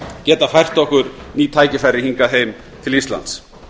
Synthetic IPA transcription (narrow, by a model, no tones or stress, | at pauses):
cɛːt̪afajr̥t̪ɔhkʏɾniːt̪ʰaːjcɪfaɾːɪhiŋkaðɦeːjm | t̪ʰɪlist̪la̰nt̪s